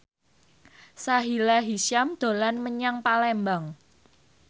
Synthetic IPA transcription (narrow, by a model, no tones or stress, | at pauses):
saɦilaɦiʃamd̪̥o̤lanməɲaŋpalɛmbaŋ